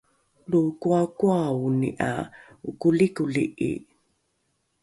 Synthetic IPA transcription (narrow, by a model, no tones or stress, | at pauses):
lukuakuauniʔa̰ | ukulikuliʔḭ